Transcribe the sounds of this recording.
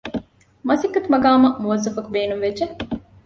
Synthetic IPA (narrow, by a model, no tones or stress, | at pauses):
mɐsikːɐt̪umɐɡaːmɐmuʋɐzːɐfɐkubeːnumʋed͡ʒe